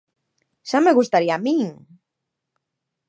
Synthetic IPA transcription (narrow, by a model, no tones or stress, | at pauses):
ʃameɣust̪aɾiamĩŋ